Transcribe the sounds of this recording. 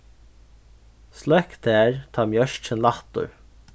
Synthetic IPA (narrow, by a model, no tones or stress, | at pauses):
slɛkt̪æːɹt̪ʰɑːmjœʃt͡ʃənlaht̪ʊ̰ɹ